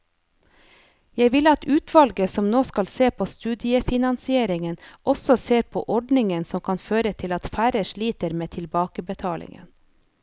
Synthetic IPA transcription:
jæɪʋɪlɑt̪ʉːt̪ʰʋɑlɡəsɔmnoːskɑlseːpʰoːst̪ʉːd̪ɪəfɪnɑnsɪeːɾɪŋənʔɔsɔseːɾpʰo̰ːʔɔɖɳɪŋənsɔmkʰɑnføːɾət̪ʰɪlɑt̪fæːɾəʃɭiːt̪əɾmeːt̪ʰɪlbɑːkəbət̪ʰɑːlʔɪ̰ŋə̰n

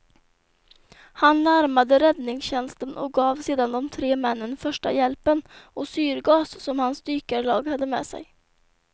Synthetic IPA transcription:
hanːæɾmad̪əɾɛd̪nɪŋsɕɛnst̪ənʔɔ̰k̚ɡɑːvseːd̪and̪ɔmt̪ʰɾeːmɛnːənfœʂʈa̰jɛlpənɔsyːɾɡɑːssɔmhansd̪yːkəɭɑːɡhad̪ːəmɛ̰ːsɛ̰j

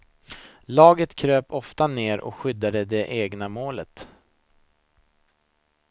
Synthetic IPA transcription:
lɑːɡət̪kʰɾøːpɔft̪aneːɾʔɔ̰kɧʏd̪ːad̪əd̪ɛʔeːɡnamoːlət̪

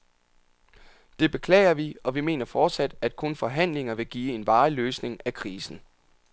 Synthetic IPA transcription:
d̥e̝b̥e̝kʰlɛ̰ːɪɐʋiɒ̽ʋime̝̰ːnɐfɒːd̥sæd̥æd̥̚kʰɔ̽nfɒ̽ɦæn̰le̝ŋɐʋe̝ɡ̥iːe̝nʋɑ̈ːløːsne̝ŋækʰʁiːsn̩

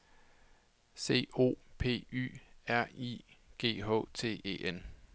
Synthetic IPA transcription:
se̝̰ːo̝̰ːpʰe̝̰ːy̰ːæɐ̰ḭɡ̥e̝̰ːɦɔ̰̽ːt͡sʰe̝̰ːḛːʔen

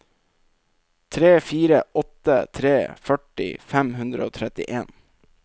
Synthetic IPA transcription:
t̪ʰɾeːfiːɾəɔt̪ə̰t̪ʰɾeːfœʈɪ̰fæmhʉnd̪ɾəoːt̪ʰɾɛt̪ɪʔeːn

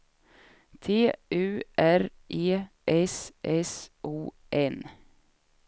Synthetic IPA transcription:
t̪ʰeːʔʉːʔæɾʔeː | ʔɛsʔɛsʔuː | ʔɛn

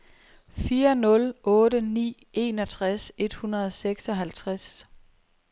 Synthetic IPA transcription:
fiːɐnɔ̽lɔ̽ːdənḭː | e̝̰ːnɒt͡sʰʁase̝d̥hunɐðˠseɡ̥sɒ̽ɦælt͡sʰʁas

